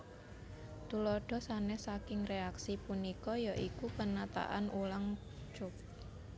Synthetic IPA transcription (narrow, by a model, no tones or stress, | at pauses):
t̪ulɔɖ̥ɔ̤sanɛsakɪŋreaksipunikɔjaʔikupənat̪a̰ʔanʔulaŋ | t͡ʃʊp̚